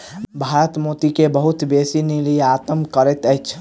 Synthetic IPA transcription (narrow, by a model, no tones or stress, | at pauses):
bʱaːɾət̪moːt̪ikebəɦʊt̪beːsinilijeat̪əmkəɾɛt̪əjt͡ʃʰ